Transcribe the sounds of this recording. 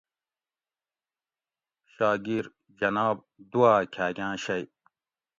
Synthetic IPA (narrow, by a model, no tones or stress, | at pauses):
ɕaːɡiɾ | d͡ʑɐnaːb̚d̪uwaːkʲʰaːɡʲãːɕɐj